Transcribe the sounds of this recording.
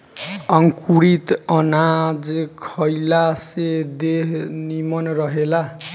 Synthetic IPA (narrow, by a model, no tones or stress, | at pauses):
ʌŋkuɾit̪ʌnad͡zkʰʌjlased̪eɦnimʌnrʌɦela